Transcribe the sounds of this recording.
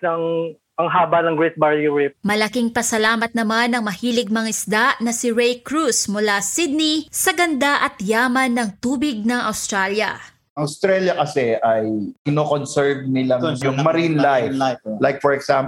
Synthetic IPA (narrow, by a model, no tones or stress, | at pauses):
ɐŋ | ɐŋɦaːbɐnɐŋɡɹɛt̪̚baɹjuɹɪp̚mɐlɐkiŋpɐsɐlaːmɐt̪̚nɐmanɐŋmɐhiːlɪɡ̚mɐŋɪsd̪aʔnɐsɪɹɛjkɹusmʊlasid̪̚nisɐɡɐnd̪aʔɐt̪jaːmɐnːɐŋt̪uːbɪɡ̚nɐŋɐwst̪ɾaljɐ̰ | ʔɐŋɐwst̪ɾɛljɐkɐsɛʔɐjkɪnoːkonsɛɹvnɪlaŋjʊŋmɐɾinlajlajk̚fɔɹɛɡ̥sam